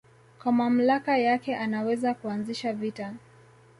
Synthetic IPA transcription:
kwamam̩lakajakɛʔanawɛzakuanziʃavita

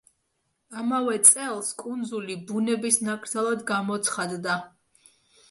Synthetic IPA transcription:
amavɛt̪sʼɛlˠskʼund̪zulibunɛbisnakʼɾt̪ʰalˠad̪ɡamɔt̪sʰχad̪ːa

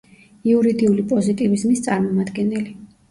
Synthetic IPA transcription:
iuɾid̪iulipʼɔzit̪ʼivizmist̪sʼaɾmɔmad̪ɡɛnɛli

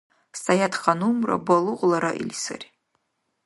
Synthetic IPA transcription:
stajatχanumra̰balɨʁʷlˠaɾaʔḭlʲsɨ̰rʲ

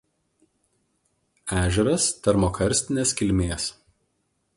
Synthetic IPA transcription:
æːʒʲɛɾɐst̪ɐɾmoːkʰɐɾʲsʲt̪ʲɪnʲeːskʲɪlʲmʲeːs

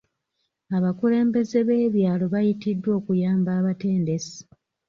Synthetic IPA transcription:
aβakule̞ːmbe̞ze̞βe̞ːβjaːlo̞βajitidːwo̞ːkujaːmbaːβate̞ːnde̞si̥

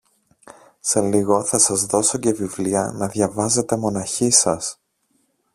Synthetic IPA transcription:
se̞liɣo̞θɐsɐzðo̞so̞ce̞vivliɐ̰nɐðʝɐvɐze̞t̪e̞mo̞nɐçisɐs

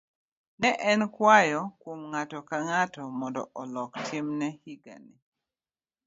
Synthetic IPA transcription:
nɛʔɛnkwajɔkwomŋatɔkaŋatɔmɔndɔ̰ʔɔlɔktʰɪmnɛhiɡa̰ni

